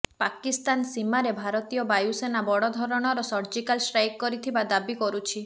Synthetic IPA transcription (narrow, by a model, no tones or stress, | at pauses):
pakist̪ansimaɾebʱaɾɔt̪ijɔbajusenabɔɽɔd̪ʱɔɾɔɽ̃ɔɾɔsɔɾd͡ʒikalsɾajkkːɔɾit̪ʰibad̪abikɔɾut͡ʃʰi